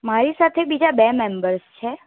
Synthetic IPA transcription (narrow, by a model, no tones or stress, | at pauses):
maɾisat̪ʰebid͡ʒabemɛmbəɾst͡ʃʰe